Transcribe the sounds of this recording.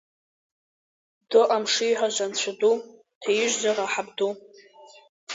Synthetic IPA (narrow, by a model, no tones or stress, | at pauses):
doʔamʂijħʷaʒʷant͡ɕʷʰadu | tʰajɪʒʷzaraħabdu